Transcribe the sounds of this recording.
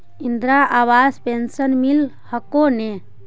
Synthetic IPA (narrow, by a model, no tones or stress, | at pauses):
ind̪ɾaʔawaspensənmil | həkone